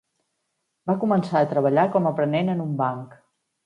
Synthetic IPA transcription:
bakumənsaət̪ɾəβ̞əʎakɔməpɾənenənumbaŋk

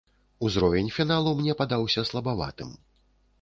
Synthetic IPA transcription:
uzɾɔvʲɛnʲfʲinalˠumnʲɛpad̪awsʲɐslˠɐbava̰t̪ɨ̰m

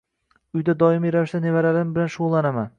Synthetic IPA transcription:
ʊjd̪ad̪ɒɪmiɾavɪʃd̪anevaɾaɾɪmbɪlanʃʊʁʊlˠːanaman

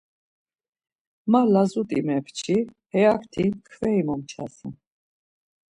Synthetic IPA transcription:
malazut̪ʼḭmɛpʰt͡ʃʰi | hɛakʰt̪ʰikʰvɛimɔmt͡ʃʰa̰sḭ

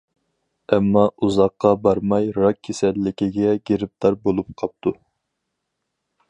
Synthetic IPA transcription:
ɛmːɑuzɑqːɑbɑɾmɑjɾɑkʲʰːesɛlːɪkʲiɡʲɛɡʲeɾɪp̚t̪ɑɾbolˠup̚qʰɑp̚t̪ʰu

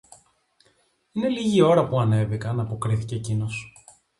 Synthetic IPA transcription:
ine̞liʝio̞ɾɐpuɐne̞vikɐnɐpo̞kɾiθice̞ːcino̞s

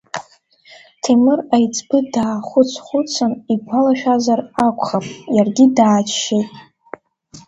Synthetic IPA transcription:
tʰemɨrajt͡sʰʼbɨdaːχʷʊt͡sʰχʷʊt͡sʰanipʷʰalaʃᶣazarakʷʰʼχapʼjarɡʲidaːt͡ʃʰʃejtʼ

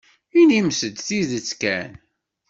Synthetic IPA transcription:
inimsəd̪θiðət͡sːkæn

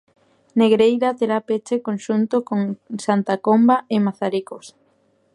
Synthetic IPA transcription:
neɣɾejɾat̪eɾapet͡ʃekonʃunt̪okoŋsant̪akombaɪmaθaɾikos

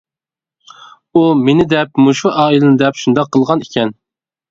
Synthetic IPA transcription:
umenɪd̪ɛp̚muʃuʔɑːilˠɨnɪd̪ɛpʃund̪ɑqʰːəlˠʁɑnikʲʰɛn

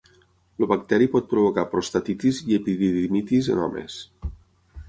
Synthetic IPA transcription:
luβakt̪ɛɾipɔt̪̚pɾuβokapɾost̪at̪it̪iziepiðiðimit̪izə̰nɔ̰mḛs

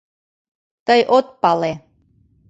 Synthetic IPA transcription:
t̪əjʔot̪̚pɑle

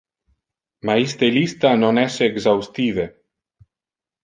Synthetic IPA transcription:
maist̪elist̪anonɛseːɡzawst̪ive

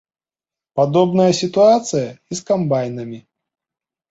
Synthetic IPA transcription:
pad̪ɔbnɐjɐsʲit̪uat̪sɨjɐiskambajnɐmʲi

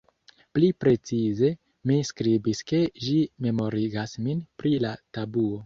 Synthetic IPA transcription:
plipɾe̞t͡size̞ | miskɾibiske̞ʒime̞mo̞ɾiɡasminpɾilatabuo̞

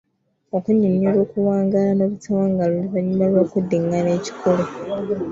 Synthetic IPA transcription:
o̞kuɲuɲiɾo̞ːkuwaːŋɡalanoβutawaːŋɡaloliβaɲːumalakudiŋɡane̞ːci̥kʰole

